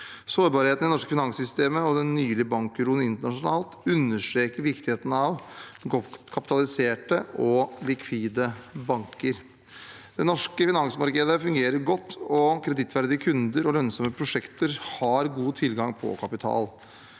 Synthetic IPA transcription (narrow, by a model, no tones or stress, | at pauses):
soːɾbɑːɾheːt̪nɪnɔʂkəfɪnɑŋsʏst̪eːməɔd̪ɛnːyːlɪəbɑŋkɾuːnəɪnt̪əɳɑʂʊnɑːlt̪ʉnːəʂʈɾeːkəɾʋɪkt̪ɪheːt̪ənəɑʋ | kʰɑpɪ̥t̪ɑlɪseːʈəʔɔlɪkʰʋiːd̪əbɑŋkəɾ | d̪̥ɛnɔʂkəfɪnɑŋsmɑɾkəd̪əfʉŋɡeːɾəɾɡɔt̪ʰːɔkʰɾɛd̪ɪt̪ːʋæɾd̪ɪəkʰʉnd̪əɾɔlœnsɔməpʰɾʊʂɛkt̪əɾhɑɾɡuːt̪ʰɪlɡɑŋpʰɔ̰kʰɑpɪt̪ʰɑ̰ːl